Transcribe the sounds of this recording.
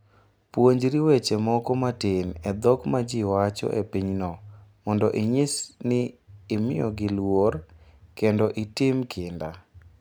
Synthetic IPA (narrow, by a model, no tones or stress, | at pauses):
pwoɲd͡ʒɾiwet͡ʃemɔkɔmatɪnɛd̪ɔkmad͡ʒiwat͡ʃɔ̰ʔepiɲnɔmɔndɔʔɪɲɪsnɪːmɪɔɡɪlworkendɔʔitɪmkʰɪnda